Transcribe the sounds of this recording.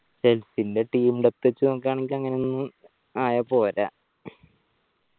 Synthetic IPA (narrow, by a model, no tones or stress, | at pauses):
selsinde̞ʈiːmɖep̚t̪ːet͡ɕːuokːaːɳeŋɡʲilɐŋːɐneonnːɨ | aːjapo̞ːɾa